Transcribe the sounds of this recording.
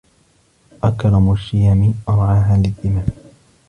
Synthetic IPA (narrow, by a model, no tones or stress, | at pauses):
ʔakɾˤɑmʊʃɪjamɪʔɑɾˤʕaːɦaːlɪlʔɪmaːm